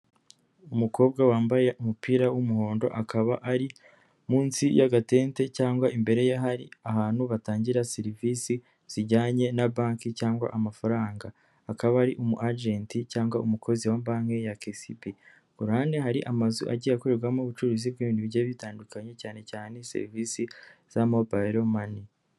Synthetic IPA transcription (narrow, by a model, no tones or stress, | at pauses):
umuko̞ːb̚ɡawaːmbajeʔumupiːɾawumuho̞ːndo̞̰ʔakaβaʔaɾi | muːnsijaɡate̞ːnte̞caːŋɡwaʔimbe̞ɾe̞jaɦaɾḭaɦaːnhuβataːɲɟiɾasiɾiviːsi | z̥iɟaːɲe̞nabaːŋkicaːŋɡwa̰ʔamafaɾaːŋɡaː | kaβaːɾiʔumuʔad͡ʒenticaːŋɡwaumukʰo̞ziwaːmbaːŋejakesipi | ɡ̥uɾaːndeɦaɾiʔamazuʔa̰ɟiːjakoɾeɾɡwamoβut͡ʃuɾuzib̚ɡiːβiːndiβijaβitaːndukaɲe̞caːne̞caːne̞sḛɾiviːsiz̥amobaɾomani